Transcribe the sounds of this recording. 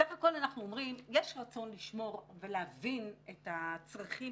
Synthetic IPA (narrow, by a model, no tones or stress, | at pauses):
saχako̞lanaχnuomʁimjeɛʃʁat͡so̞nliʃmo̞ʁveleavinetat͡sʁaχi